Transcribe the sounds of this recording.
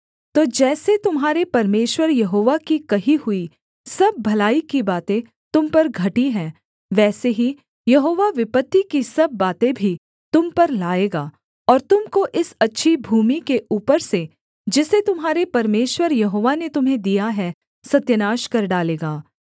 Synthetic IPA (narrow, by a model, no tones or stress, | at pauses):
t̪oːd͡ʒɛːset̪ʊmɦaːɾepɐɾmeːʃwəɾjɐɦoːʋakikɐɦihʊi | sɐb̚ːʱɐlaːikibaːt̪ẽ | t̪ʊmpɐɾɡʱɐʈiɦɛ̃ː | ʋɛːseɦi | jɐɦoːʋaʋɪpət̪ːikisɐbːaːt̪ẽbʱi | t̪ʊmpɐɾlaːeːɡaː | ɔːɾt̪ʊmkoʔɪsɐtːʃʰibʱuːmikeʔuːpəɾse | d͡ʒɪset̪ʊmɦaːɾepɐɾmeːʃwəɾjɐɦoːʋanet̪ʊmɦẽd̪ijaɦɛ | sɐt̪jənaːʃkɐɾɖaːleːɡaː